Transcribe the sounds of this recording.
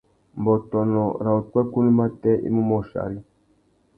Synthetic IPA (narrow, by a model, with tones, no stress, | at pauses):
m˨bɔ˨tɔ˨nɔ˨ɾa˨u˨kwɛ˦ku˦ni˦ma˦tɛ˦ʔḭ˦mu˦mɔ˦ʃa̰˨ɾi˦